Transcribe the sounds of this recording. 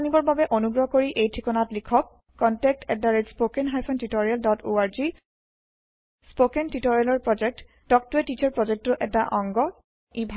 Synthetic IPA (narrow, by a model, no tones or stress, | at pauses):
nibɔɹbabɛʔonuɡɹɔkoɹiʔejtʰikɔnatlikʰɔkː | ɔntɛk̚tɛk̚daɹetspokɛnɦajpʰɔntitoɹialdɔtoaɹzi | spokɛntitɔɹialɔɹpɹɔd͡ʒɛk̚t | d̥ɔk̚tuɛtit͡ʃɔɹpɹɔd͡ʒɛk̚tʊʔɛtaʔɔŋɡɔ | ibʱ